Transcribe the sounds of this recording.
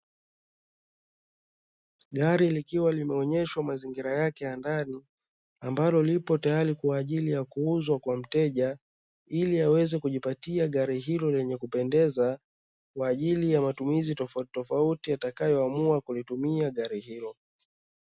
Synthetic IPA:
ɠaɾilikiwalimɛɔɲɛʃwamaziŋɡiɾajakɛjandani | ambalɔlipɔtajaɾikuaːʄilijakuuzwakwam̩tɛʄa | iliawɛzɛkuʄipatiaɠaɾiɦilɔlɛɲɛkupɛndɛza | kwaːʄilijamatumizitɔftɔfautijatakajɔamuakulitumiaɠaɾiɦilɔ

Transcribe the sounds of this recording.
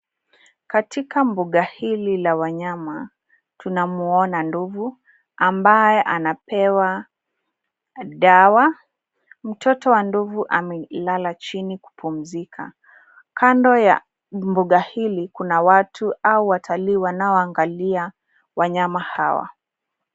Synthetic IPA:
katikambuɠahililawaɲama | tunamuɔnanduvu | ambajɛʔanapɛwa | ɗawa | m̩tʰɔtɔwanduvuʔamɛlalat͡ʃiniku̥pum̩zikʰa̰ | kʰandɔja | mbuɠahilikunawatʰuauwatʰaliːwanaɔaŋɡalia | waɲamahawa̰

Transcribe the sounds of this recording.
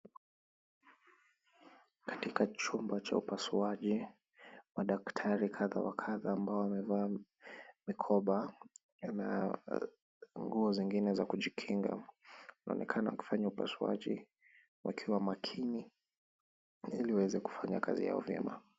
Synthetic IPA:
kḁtikat͡ʃumbat͡ʃa̰upasuaʄi | maɗaktʰaɾikʰaða̰wa̰kʰaðaːmbaɔamɛvaː | mikʰɔɓa | na̰ | ŋɡuɔziŋɡinɛzakuʄikʰiŋɡa̰nʔa̰ɔnʔɛkʰanawaki̥faɲaupa̰sua̰ʄḭ | wa̰kʰiwamakʰini | iliwawɛzɛku̥faɲa̰ka̰zḭja̰ɔvjɛ̰ma̰

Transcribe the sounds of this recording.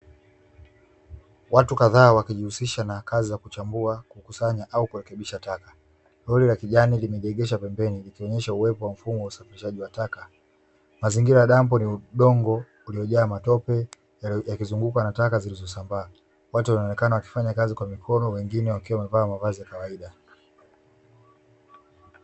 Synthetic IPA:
watukaðaːwakiʄihusiʃanakʰazizakut͡ʃambuakukusaɲaʔaukuɾɛkɛɓiʃataka | lɔlilakiʄanilimɛʄɛɠɛʃapɛmbɛnilikiɔɲɛʃauwɛpɔwam̩fumɔwausafiɾiʃaʄiwataka | maziŋɡiɾajaɗambɔniuɗɔŋɡɔ | ulijɔʄaːmatɔpɛ | jakizuŋɡukanatakazilizɔsambaː | watuwanaɔnɛkanawaki̥faɲakazikwamikʰɔnɔwɛŋɡinɛwakiwamɛvaːmavazijakawaiɗa

